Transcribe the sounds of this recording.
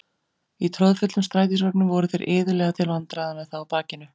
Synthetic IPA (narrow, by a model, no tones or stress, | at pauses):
it̪ʰɾɔðfʏt̪lʏmst̪ɾaːjt̪̬isvaknʏvɔɾʏθejɾʔɪːðʏlɛːɣat̪ʰɪlvant̪ɾaðamɛðθawapaːcɪnʏ